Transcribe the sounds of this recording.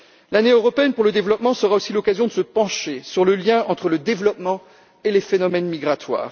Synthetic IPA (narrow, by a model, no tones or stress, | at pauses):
laneøʁɔpeɛnpuʁləd̪evlɔpmɑ̃səʁaosilɔkazjɔ̃d̪əsəpɑ̃ʃesyʁləljɛ̃ɑ̃t̪χələd̪evlɔpmɑ̃ | elefenɔmɛnmiɡʁat̪wa̰ːʁ